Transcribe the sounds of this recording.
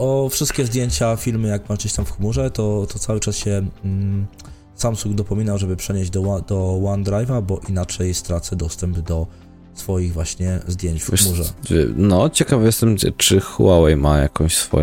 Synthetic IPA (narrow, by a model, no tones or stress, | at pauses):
ʔɔfʂɘst̪̚kʲɛzd̪ʲjeɲt͡ɕafʲilmɘjaɡmaɡd͡ʑeɕt̪amfxmuʐɛt̪ɔt̪ɔt̪sawɘt͡ʂasɕɛ | samsuŋɡd̪ɔpɔmʲinawʐɛbɘpʂɛɲeʑd͡ʑd̪ɔwad̪ɔwand̪ɾajvabɔʔinat͡ʂɛjst̪ɾat̪sɛd̪ɔst̪ɛmbd̪ɔ | sfɔjiɣvwaɕɲɛzd̪ʲjeɲt͡ɕfxmuʐɛ̰v̰nɔt͡ɕɛkavajɛst̪ɛmɛt͡ʂɘxwawɛjma̰ja̰kɔ̃ɕsfɔ̰j